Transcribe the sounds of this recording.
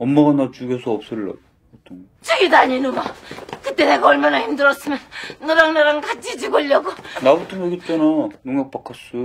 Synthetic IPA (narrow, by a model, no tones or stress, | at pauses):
ʌmːaɣanat͡ɕuɡʌsʰʌʌp̚s͈ɯɭːa̰ | utʰʌn | t͡ɕɯɡidaɲinumakɯt͈eneɡʌɭmʌnʌçimdɯɾʌs͈ɯmjʌnːɯɾaŋnaɾaŋkat͡ɕ͈id͡ʑiɡʌʎːʌɡonabutʰomʌɡit͈enʌnuŋjʌk̚p͈akʰas͈u